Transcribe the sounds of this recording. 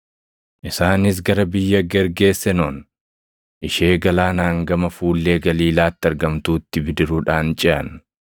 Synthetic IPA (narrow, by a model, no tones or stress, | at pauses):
ʔɪsaːnɪs̬ɡɐɾɐbɪjːɐɡɛɾɡe̞ːsːɛnoːn | ʔɪʃe̞ːɡɐlaːnaːŋɡɐmɐfuːlːe̞ːɡɐliːlaːt̪ːɪɐɾɡɐmt̪uːt̪ːɪbɪd̪ɪɾuᶑaːnt͡ʃʼɛʔɐ̰n